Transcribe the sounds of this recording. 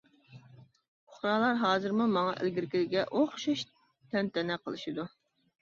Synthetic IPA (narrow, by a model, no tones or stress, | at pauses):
ʊχɾɑːlˠɑɾɦɑːzɨɾmumɑŋɑ̰ʔḛlɡʲiɾkʲilɪɡʲɛʔoχʃuʃ | t̪ʰɛnt̪ɛnɛqʰə̰lˠɨʃid̪u